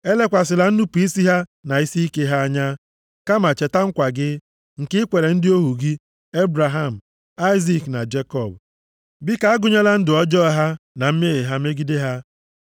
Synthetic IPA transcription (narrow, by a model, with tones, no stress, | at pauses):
e˦le˦kʷa˨sɪ˨la˨n̩˦nu˦pu˨i˦si˦ɦa˦na˨i˦si˦i˦ke˦ɦa˦a˦ɲa˦ | ka˦ma˨t͡ʃe˨ta˦ŋ̩˦kʷa˨ɡɪ˦ | ŋ̩˨kɪ˦kʷe˨ɾe˨n̩˦dɪ˦o˦ɦu˨ɡi˦ | e˦bɾa˨ɦa˦˨m̩˨ | a˦ɪ˦zi˦˨kna˨d͡ʒe˦kɔ˦˨b̚ | bɪ˦ka˨a˦ɡʊ˨ɲa˦la˦n̩˦dɪ˨ɔ˦d͡ʒɔ˦˨ɦa˦na˨m̩˦me˦e˨ɦa˦me˦ɡi˦de˦ɦa˦